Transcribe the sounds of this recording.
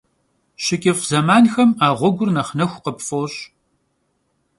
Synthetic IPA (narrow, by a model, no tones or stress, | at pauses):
ɕɪkʲʼɪfzɐmaːnxɐmaːʁʷɔɡʷʊrnɐχnɐxʷqəpfoːɕ